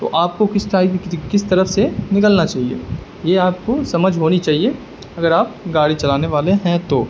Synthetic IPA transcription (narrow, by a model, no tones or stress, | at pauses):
t̪o̰ʔaːp̚kokɪsʈɾaːibʱikɪst̪ɐɾəfsenɪkəlnat͡ʃaːɦiḛː | jeaːp̚kosɐməd͡ʒʱɦoːnit͡ʃaːɦie | ɐɡəɾaːp̚ɡaːɽit͡ʃɐlaːneʋaːleɦɛ̃t̪oː